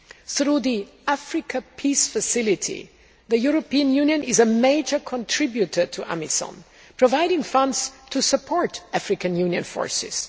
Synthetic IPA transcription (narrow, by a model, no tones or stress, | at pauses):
θɾuði | æfɹɪkʰəpʰisfəsɪlɪtʰḭ | ðəjuɹopiə̃njʉ̃njə̃nɪzəmeɪd͡ʒə˞kʰɔ̃ntʰɹ̥ɪbjutʰə˞tʰuʔæ̰misɔ̰̃n | pʰɹ̥ɔvaɪɾɪ̃ŋfʌ̃ndztʰusəpʰɔɹtæfɹɪkə̃njũnjɨ̰̃nfɔ̰ɹsɪ̰z̥